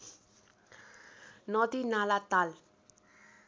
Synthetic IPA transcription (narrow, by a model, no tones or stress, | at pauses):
nɔd̪inalat̪al